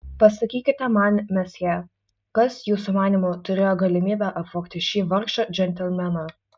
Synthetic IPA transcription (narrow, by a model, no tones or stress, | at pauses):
pɐsɐkʲiːkʲɪt̪ʲɛmɐnʲmʲɛsʲjʲɛ | kɐsjuːsʊmɑːnʲimʊt̪ʊɾʲeːjoːɡɐlʲɪmʲiːbʲæʔɐpʋoːkt̪ʲɪʃʲiːʋɐɾkʃɐd͡ʒʲɛnʲt̪ʲɛlʲmʲɛnɐ